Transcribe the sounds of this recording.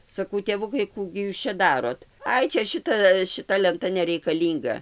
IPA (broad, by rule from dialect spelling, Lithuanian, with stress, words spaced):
sɐˈkɐʊ tʲeːˈʋʊkɐɪ ˈkuː ɡʲɪ ˈjuːs t͡ʃʲɛ ˈdɑːroːt ˈɐɪ ˈt͡ʃʲɛ ˈʃʲɪtɐ ʃʲɪˈtɐ lʲɛnˈtɐ nʲɛrʲɛɪkɐˈlʲiːŋɡɐ